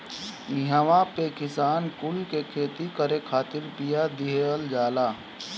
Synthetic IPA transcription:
nɪɦaʋapekɪsaːnkʊlkekʰeːt̪ikəɾekʰaːt̪ɪɾpijad̪ɪɦeəld͡ʒaːlaː

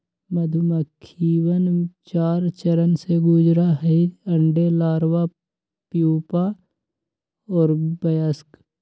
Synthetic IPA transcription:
məd̪ʱʊməkʰːiːwənt͡ʃaːɾt͡ʃəɾənseɡʊd͡ʒɾaɦiə̃ɳɖelaːɾwa | pjuːpa | ɔːɾbɐjask

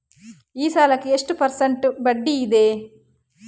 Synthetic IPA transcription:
iːsaːlɐkieʂʈupɐɾsɐɳʈbɐɖːiːd̪eː

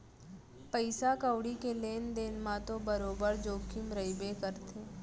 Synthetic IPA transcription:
pəɪsakəwɽikeleːnd̪eːnmãt̪obəɾoːbəɾd͡ʒoːkʰimɾəɪbekəɾt̪ẽː

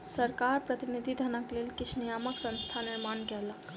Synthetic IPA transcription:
səɾkaɾpɾət̪inid̪ʱid̪ʱənəklelkit͡ʃʰnijaməksə̃nst̪ʰaniɾmankɛlək

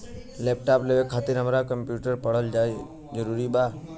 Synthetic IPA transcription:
leːp̚ʈaːpleʋekʰːaːt̪ɪɾɦəmɾakə̃mpjuːʈəɾpəɽ̤əld͡ʒaːe | d͡ʒəɾuːɾibaː

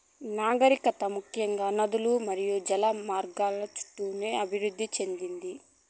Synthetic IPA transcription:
naːɡɐɾikɐt̪ɐmukʰjɐŋɡaːnɐd̪ulumɐɾijud͡ʒɐlamaːɾɡaːlɐt͡ʃu̥ʈːuːneːɐbʱiɾud̪ːit͡ʃe̞nd̪ind̪i

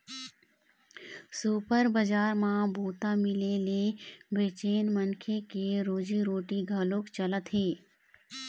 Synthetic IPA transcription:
suːpəɾbəd͡ʒaːɾmãbʱuːt̪amɪlelebeːt͡ʃeːnmənkʰekeɾoːd͡ʒiɾoːʈiɡʱəloːkt͡ʃɐlət̪ɦeː

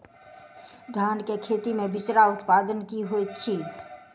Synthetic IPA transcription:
d̪ʱjaːnkekʰeːt̪imẽbɪt͡ʃɾaʊt̪paːd̪ənkiɦoit͡ʃʰiː

